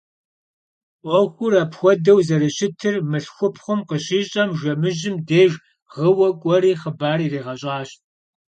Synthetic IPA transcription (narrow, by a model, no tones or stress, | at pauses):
ʔʷɔxʷʊrapxʷɔdɐwzɐɾɨɕɪtʰɨrmɨɬxʷʊpʰχʷʊmqəɕiːɕʼɐmʒʷɐmɨʒɪmdeːʒ | ʁəwɐkʷʼɔɾiːχəbaːriːreːʁɐɕʼaːɕt